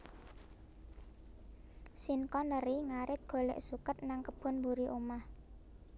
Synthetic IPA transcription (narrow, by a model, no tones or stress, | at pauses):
sinkɔnəɾiŋaɾɪt̪̚ɡ̥o̤lɛ̰ʔsukət̪̚naŋkəb̥ɔ̤nbuɾiʔomah